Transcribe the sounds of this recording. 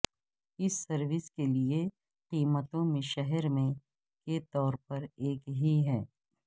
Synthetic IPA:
ɪsːɐɾʋɪskelie | qiːmət̪õmẽʃɛɦɛɾmẽ | ket̪ɔːɾpɐɾeːkɦiɦɛː

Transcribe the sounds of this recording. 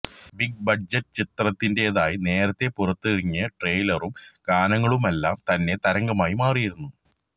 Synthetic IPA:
biɡ̚bɐd͡ʑɐtːɨt͡ɕit̪rɐt̪ːinde̞eðaːjine̞ːɾɐt̪ːe̞purɐt̪ːɨiɻiɲːɐʈreːjlɐrumɡaːnɐŋːɐɭumelːaːmt̪ɐnːe̞t̪ɐɾɐŋɡɐmaːjimaːrijiɾunːu

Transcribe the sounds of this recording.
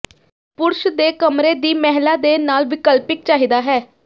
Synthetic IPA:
pʊɾʃd̪eːkəmɾeːd̪iːmɛɦlaːd̪eːnaːlʋɪkəlpɪk̚t͡ʃaːɦiːd̪aːɦɛː

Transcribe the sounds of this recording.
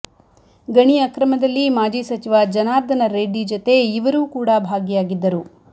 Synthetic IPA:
ɡɐɳiɐkɾɐmɐd̪ɐlːimaːd͡ʒiːsɐt͡ʃiʋad͡ʒɐnaːɾd̪ʱɐnɐɾeɖːid͡ʒot̪e̞iʋɐɾuːkuːɽabʱaːɡjaːɡid̪ːɐɾu

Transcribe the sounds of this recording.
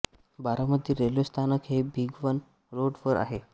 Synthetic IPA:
baɾəməd̪ʱjeɾeljost̪ʰanəkɦebʱiɡʋən | ɾoɽʋəɾʔa̰ɦe

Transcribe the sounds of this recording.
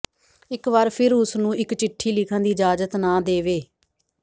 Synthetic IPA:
ɪkʋaːɾpʰɪɾʊsnũːɪkt͡ʃɪʈʰːiːlɪkʰə̃ãːd̪iːd͡ʒaːd͡ʒət̪naːd̪eːʋeː

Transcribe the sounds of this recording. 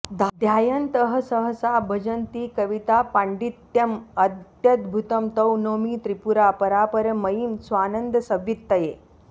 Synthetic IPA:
d̪ʱd̪ʱjajənt̪əɦəsəɦəsabʱəd͡ʑənt̪iːkəʋit̪apãɳɖit̪jɐməd̪jət̪bʱut̪əmt̪əwnomiːt̪ɾipuɾapəɾapəɾəməjimsʋanənd̪əsəʋjit̪ːəje

